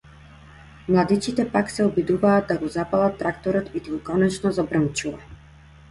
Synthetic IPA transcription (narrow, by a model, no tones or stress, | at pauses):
mlˠad̪it͡ʃit̪ɛpaksɛɔbid̪uvaːd̪̚aɡɔzapalˠat̪ːɾakt̪ɔɾɔt̪id̪ukɔnɛt͡ʃnɔzabɾənt͡ʃuva